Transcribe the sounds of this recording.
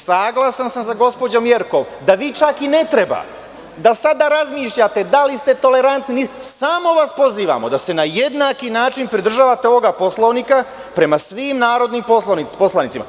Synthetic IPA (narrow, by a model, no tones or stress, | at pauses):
saɡlˠasansamzaɡo̞spod͡ʑo̞mje̞ɾko̞m | d̪aʋiːt͡ʃakine̞t̪ɾe̞ba̰ | d̪asad̪aɾazmiːʃʎat̪e̞d̪alist̪e̞t̪o̞le̞ɾant̪ninisaːmo̞ʋaspo̞ziːʋa̰mo̞d̪ase̞najed̪nakinaːt͡ʃinpɾid̪r̩ʒaːʋat̪eoʋo̞ɡapo̞slˠoʋnika | pɾe̞masʋiːmnaːɾo̞d̪nimpo̞slanit̪po̞slanit̪sima̰